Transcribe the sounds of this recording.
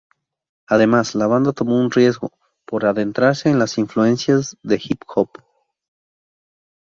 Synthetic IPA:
aðe̞maslaβand̪at̪o̞mo̞unrje̞zɣo̞̰ | po̞ɾaðe̞nt̪ɾaɾse̞ːnlasiɱflue̞nsjazðe̞xipxop

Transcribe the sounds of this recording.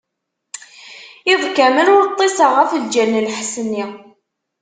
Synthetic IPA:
ɪðˤkæmənʊɾt̪ˤːesəʁafəld͡ʒænːəlħsənːi

